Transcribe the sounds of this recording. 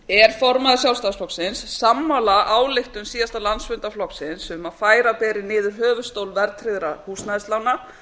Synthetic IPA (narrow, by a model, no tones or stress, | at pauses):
ɛɾ̥fɔɾmaðɪsjawlst̪ansflɔksɪnsːamːawlaʔaːwlɪht̪ʏmsiːðast̪alansvʏnt̪aflɔksɪnsʏmaðfaːjɾapɛːɾɪnɪːðʏɾɦœːvʏst̪owlvɛɾt̪ʰɾɪðɾahuːsnaðɪst̪lawna